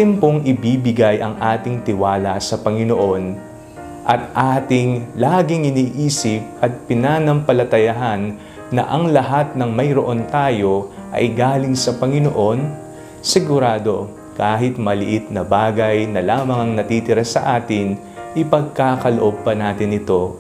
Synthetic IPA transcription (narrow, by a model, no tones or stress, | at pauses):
t̪ɛmpo̞ŋʔɪbiːbɪɡajʔɐŋʔaːt̪ɪŋt̪ɪwaːlɐsɐpɐŋɪno̞ʔo̞n | ʔɐt̪̚ʔaːt̪ɪŋlaːɡɪŋɪniːʔiːsɪp̚ʔɐt̪̚pɪnaːnɐmpɐlɐt̪ɐjɐɦanː | ɐ̰ʔɐŋlɐɦat̪̚nɐŋmɐjɾoʔo̞nt̪aːjo̞ | ʔɐ̰jɡaːlɪŋsɐpɐŋɪno̞ʔo̞n | sɪɡʊɾaːd̪o̞ | kaːɦɪt̪̚mɐlɪʔɪt̪̚nɐbaːɡɐjnɐlaːmɐŋɐŋnɐt̪iːt̪ɪɾasɐʔaːt̪ɪŋ | ʔɪpɐɡ̚kakɐloʔo̞b̚pɐnaːt̪ɪnɪt̪o̞